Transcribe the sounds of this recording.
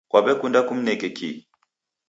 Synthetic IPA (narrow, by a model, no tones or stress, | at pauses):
kwaɓɛkʼundakʼum̩nɛkʼɛkḭ